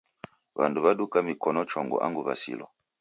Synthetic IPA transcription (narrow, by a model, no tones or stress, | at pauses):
βanduβaɗukamikɔnɔt͡ʃɔŋɡɔ̰ʔa̰ŋɡuβasḭlɔ̰